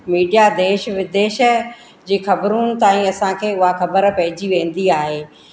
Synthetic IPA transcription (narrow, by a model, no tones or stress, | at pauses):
miːɖijad̪eːʃʋɪd̪eːʃə̆ | d͡ʑiːxɐbɾunɪ̆t̪aːĩɐsãkʰeːʊɦaxɐbəɾpɐɦɪd͡ʑiʋẽːn̆d̪iaːɦeː